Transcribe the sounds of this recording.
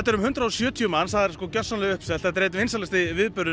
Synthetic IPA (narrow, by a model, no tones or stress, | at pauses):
ɛt̪ːɛɾʏmhʏnt̪ɾaɔsjœːt̪ʰiʏmanːsθaðɛɾ̥skɔcœsanlɪʏhpsɛl̥at̪ɾeːt̪̬ɪvɪnsalɛst̪ɪvɪðpʏɾðʏ